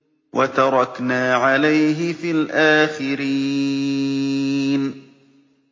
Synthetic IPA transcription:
wʔat̪ɑɾˤɑknaːʕalajɦɪfiːlʔaːxɪɾiː | n

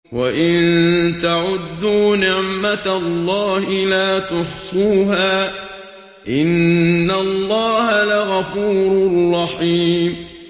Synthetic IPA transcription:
waʔɪnt̪aʕʊd̪ːuːnɪʕmat̪alˤːɑːhɪlaːt̪ʊħsˤuːɦaː | ʔɪnːalˤːɑːhalaɣafuːɾʊlrːɑħiːm

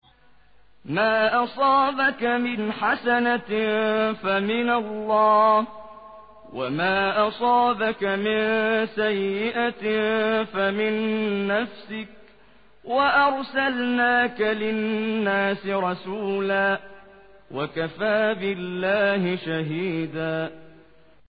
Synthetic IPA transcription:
maːʔɑsˤɑːbakamɪnħasana | famɪnalːɑː | wamaːʔɑsˤɑːbakamɪnsajːɪʔa | famɪnːafsɪk̚ | waʔɑɾˤsalnaːkalɪnːaːsɪɾˤɑsuːlaː | wakafaːbɪlːaːhɪʃaɦiːd̪aː

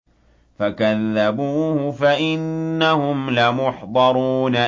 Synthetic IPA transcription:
fakaðːabuːhʊfaʔɪnːahʊmlamʊħd̪ˤɑɾˤuːna

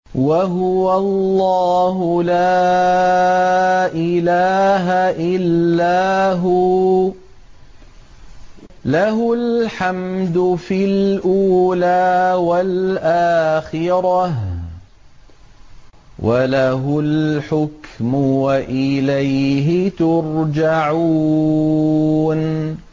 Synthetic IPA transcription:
waɦʊwalːɑːɦʊlaː | ʔɪlaːɦaʔɪlːaːɦʊ | laɦʊlħamd̪ʊfilʔuːlaːwalʔaːxɪɾˤɑh | wʔalaɦʊlħʊkmʊwaʔɪlajɦɪt̪ʊɾd͡ʒaʕu | n

